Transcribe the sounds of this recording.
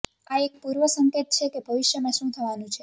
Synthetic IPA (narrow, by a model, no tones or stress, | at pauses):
aek̚puɾʋəsəŋket̪̚t͡ʃʰekebʱəʋɪʃjəmãʃũt̪ʰəʋanũt͡ʃʰe